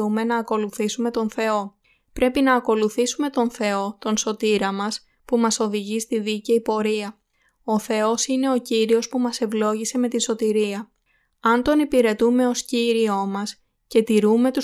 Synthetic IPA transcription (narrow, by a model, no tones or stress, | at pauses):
ume̞nɐːko̞luθisume̞t̪o̞nθe̞o̞ | pɾe̞pinɐːko̞luθisume̞t̪o̞nθe̞o̞t̪o̞nso̞t̪iɾɐmɐs | pumɐso̞ðiʝist̪iðiceipo̞ɾiɐ | o̞θe̞o̞sine̞o̞ciɾio̞spumɐse̞vlo̞ʝise̞me̞t̪inso̞t̪iɾiɐ | ɐnt̪o̞nipiɾe̞t̪ume̞o̞sciɾio̞mɐs | ce̞t̪iɾume̞t̪u